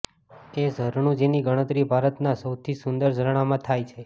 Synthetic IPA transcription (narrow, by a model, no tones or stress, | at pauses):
ezəɾɳũd͡ʒeniɡəɽ̃ət̪ɾibʱaɾət̪nasəwt̪ʰisʊnd̪əɾd͡ʒʱəɾɳ̃amãt̪ʰajt͡ʃʰe